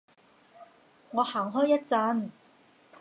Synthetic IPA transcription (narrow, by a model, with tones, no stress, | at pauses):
ŋɔː˨˧haː˨˩ŋɦɔː˥jɐ˥t̚t͡sɐ˧˥n